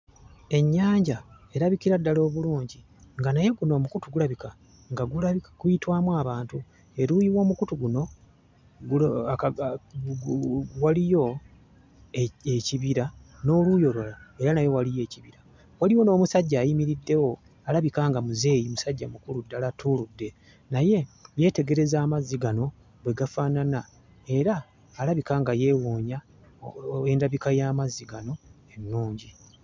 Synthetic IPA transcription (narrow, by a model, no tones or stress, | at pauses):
e̞ɲːaːɲɟa | e̞ɾaβikiɾadːalo̞ːβuluːɲɟi | ŋɡanaje̞ɡuno̞ːmukutuɡulaβika | ŋɡaɡulaiɡ̥ujitwaːmwaːβaːntu | e̞ɾujiwo̞ːmukutuɡuno̞ | ɡuk | walijo̞ | eeciβiɾano̞ːlujo̞lwalaeɾanajo̞walije̞ːciβiɾa | waliwo̞no̞ːmusaɟːaːjimiɾidːe̞wo̞ | alaβikaːŋɡamuze̞ːjimusaɟːamukuludːalatʰuludːe̞ | naje̞je̞ːte̞ɡe̞ɾe̞zaːmaziɡano̞ | βwe̞ɡafaːnana | e̞ɾaː | laβikaːŋɡaje̞ːwoːɲa | endaβikajaːmaziɡano̞ | e̞nːuːɲɟi